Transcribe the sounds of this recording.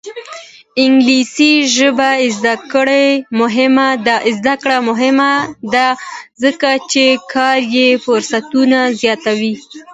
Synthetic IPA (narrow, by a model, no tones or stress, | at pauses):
ɪŋɡlisiʒəbaɪzd̪akəɽemʊɦɪmad̪azd̪akɽamʊɦɪmad̪azəkat͡ʃekʰɑɾjefʊɾsat̪unazjɑt̪awi